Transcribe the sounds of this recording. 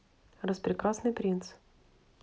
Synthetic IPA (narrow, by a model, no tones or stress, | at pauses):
rəspɾʲɪkɾasnɨjpɾʲint̪s